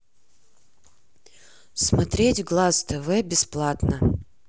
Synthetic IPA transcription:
smɐt̪ɾʲetʲɡlˠast̪ɛvɛbʲɪsplˠat̪nə

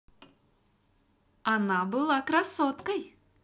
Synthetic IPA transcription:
ɐnabɨlˠakɾasːɔt̪kɐj

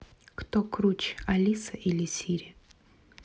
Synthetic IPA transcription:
kt̪okɾut͡ɕɐlʲisɐʔilʲɪsʲiɾʲɪ

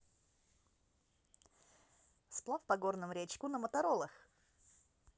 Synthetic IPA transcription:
splˠafpɐɡornɨmɾʲet͡ɕkʊnəmət̪ɐɾolˠəx

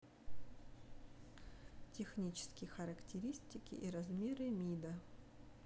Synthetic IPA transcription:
tʲɪxnʲit͡ɕɪ̥skʲɪjxɐɾɐktʲɪɾʲisʲtʲɪkʲɪ̰ʔiɾɐzmʲeɾɨmʲid̪ə

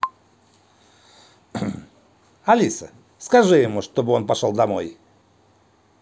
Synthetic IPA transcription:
ɐlʲisə | skɐʐɨjɪmuʂt̪o̞bɨo̞npɐʂo̞lˠd̪ɐmo̞̰j

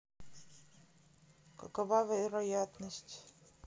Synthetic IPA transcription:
kɐkɐvavʲɛɾɐjat̪nəsʲtʲ

